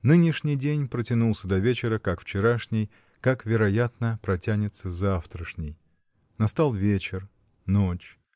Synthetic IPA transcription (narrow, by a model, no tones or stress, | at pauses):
nɨnʲɪʂnʲɪjdʲenʲpɾətʲɪnulˠsʲəd̪ɐvʲet͡ɕɪɾəkakft͡ɕɪɾaʂnʲɪj | kakvʲɪɾɐjat̪nəpɾɐtʲænʲɪt̪səzaft̪ɾəʂnʲɪj | nɐst̪alˠvʲet͡ɕɪr | not͡ɕ